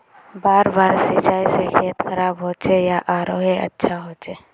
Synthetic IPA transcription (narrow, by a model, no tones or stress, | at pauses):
baːɾbaːɾsɪt͡ʃaːisexʰiːət̪xəɾaːbɦoːt͡ʃejaʔaːɾoːɦeɐ̰tːʃʰaɦoːt͡ʃeː